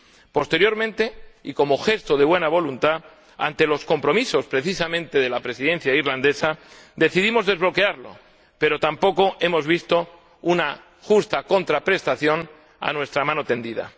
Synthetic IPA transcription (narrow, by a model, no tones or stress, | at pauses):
po̞st̪e̞ɾjo̞ɾmẽnt̪e̞ḭko̞mo̞xe̞st̪oðe̞βwe̞naβ̞o̞lunt̪a | a̰nt̪e̞lo̞sko̞mpɾo̞miso̞spɾe̞θisamẽ̞nt̪e̞ð̞e̞lapɾe̞siðẽ̞n̟θjaiɾland̪e̞sa | d̪e̞θiðimo̞zðe̞zβlo̞ke̞aɾlo̞̰ | pe̞ɾo̞t̪ampo̞ko̞ʔe̞mo̞zβist̪o̞ | una | xust̪ako̞nt̪ɾapɾe̞st̪aθjo̞n | a̰nwe̞st̪ɾamãnot̪e̞nd̪iða̰